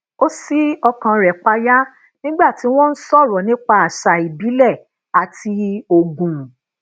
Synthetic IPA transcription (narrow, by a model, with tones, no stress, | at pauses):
o˦si˦ɔ˧kã˧ɾɛ˨k͡pa˧ja˦ | nĩ˦ɡ͡ba˦˨ti˨˦w̃ɔ̃˦n̩˦sɔ˦˨ɾɔ˨nĩ˨˦k͡pa˧˦a˨ʃa˨i˨bi˨˦lɛ˦˨ | a˨ti˧o˨ɡũ˨